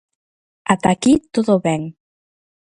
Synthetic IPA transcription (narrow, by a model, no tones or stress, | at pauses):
at̪akit̪oðoβɛŋ